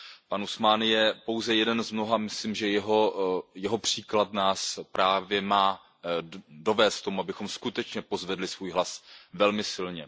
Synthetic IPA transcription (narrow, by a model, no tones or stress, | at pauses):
panusmanjɛpo̞wzɛjɛdɛnzmno̞ɦamɪslimʒɛjɛɦojɛɦo̞pr̝̥iːklat̪naːspɾʔaːvjɛmaː | do̞vɛːst̪t̪o̞muabɪxo̞mskut̪ɛt͡ʃɲɛpozvɛdlɪsvuːjɦlasvɛlmɪsɪlɲɛ